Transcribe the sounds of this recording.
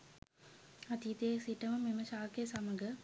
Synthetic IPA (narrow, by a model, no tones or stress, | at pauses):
at̪iːt̪eːsiʈəməmeməʃaːkejsaməɡə